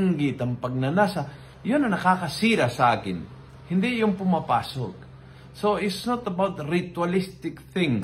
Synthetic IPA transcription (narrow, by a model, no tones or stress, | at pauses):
ŋɡɪt̪ɐmpɐɡ̚nɐnasɐ | jonɐnɐkakɐsiːɾasɐʔa̰ːkɪ̰n | hɪnd̪ijʊŋpʊmapa̰ːso̰k̚ | soɪtsnɔt̪ɐbawt̪ɾɪt̪walɪst̪ɪkθɪ̃ŋ